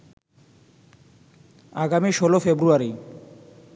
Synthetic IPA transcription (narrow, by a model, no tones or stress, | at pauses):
aɡamiʃolofebɾuaɾi